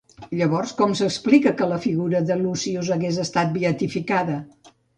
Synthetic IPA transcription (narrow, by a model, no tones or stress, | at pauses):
ʎəβɔrskɔmsəksplikəkələfiɣuɾəðəlusiuzəɣezəst̪at̪̚biət̪ifikaðə